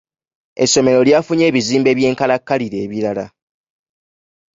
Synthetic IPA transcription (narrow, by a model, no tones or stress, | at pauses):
e̞sːo̞me̞ɾo̞ljafuɲe̞ːβiziːmbe̞ːβje̞ːŋkalakːaliɾe̞ːβiɾala̰